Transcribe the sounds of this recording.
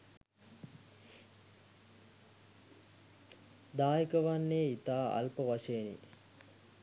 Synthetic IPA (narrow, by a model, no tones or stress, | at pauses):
d̪aːjikəʋanːeːit̪aːa̰lpəʋaʃenḭ